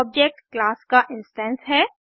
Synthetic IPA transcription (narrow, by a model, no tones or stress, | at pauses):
ɔb̚d͡ʒek̚ʈklaːskaʔɪ̃nsʈɛ̃nsɦɛː